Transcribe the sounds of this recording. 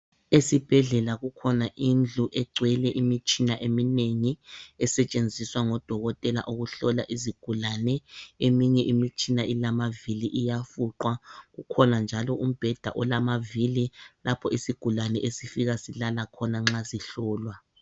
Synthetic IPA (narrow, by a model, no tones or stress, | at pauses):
esib̥ʱɛɮɛlaɣukʰɔnaʔind͡ɮʱuʔɛɡ͡ǀʱwɛlɛʔimit͡ʃʼinaʔemineŋiɛsɛt͡ʃʼend͡zʱiswaŋɔd̥ʱɔɣɔtʼɛla̰ʔuɣuɬɔlaʔiziɡ̥ʱulanɛemiɲɛʔimit͡ʃʼinaʔilamaviliʔijafuǃwaɣukʰɔnand͡ʒʱalɔʔum̩b̥ʱɛd̥ʱa̰ʔɔlamavililapʰɔisiɡ̥ʱulanɛʔesifiɣasilalakʰɔnaŋ͡ǁaziɬɔːlwa